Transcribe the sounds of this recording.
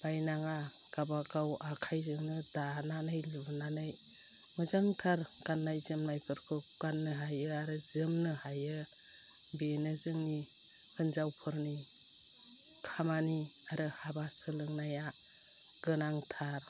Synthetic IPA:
b̥ajnaŋa | ɡ̥abaɡawakʰajzɯŋnɯdananɯjlibɯnanɯj | mɯzaŋtʰaɾɡ̥anːajzɯmnajpʰɯɾkʰɯɡ̥anːɯɦajɯaɾɯzɯmnɯhajɯ | benɯzɯŋni | hɯnzawpʰɯɾni | kʰamani | aɾɯhabasɯlɯŋnaja | ɡ̥ɯnaŋtʰaɾ

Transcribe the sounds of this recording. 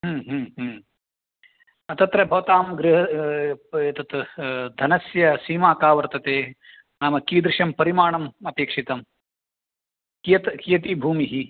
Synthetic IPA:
ɦːɦːɦm | ɐt̪ɐt̪ɾɐbʱɐʋɐt̪aːmɡɾɪɦɐ | ɐt̪ɐt̪d̪ʱɐnɐsjɐsiːmaːkaːʋɐɾt̪ɐt̪eː | naːmɐkiːd̪ɾɪʃɐmpɐɾimaːɳɐmɐpeːkʂit̪ɐm | kijɐt̪kijɐt̪̬ibʱuːmiɦi

